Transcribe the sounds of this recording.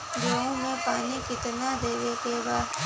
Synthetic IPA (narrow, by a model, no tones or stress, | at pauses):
ɡoːɦõmẽpaːnikɪt̪nad̪eːʋekebaːd̪